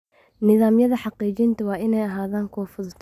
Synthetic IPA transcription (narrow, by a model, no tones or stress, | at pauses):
nɪðaːmjɐðɐħɑqiːt͡ʃɪnt̪ʰɐwɑːʔɪnɛjɐɦaːðaːŋkʰɔːfʊðt̪ʰ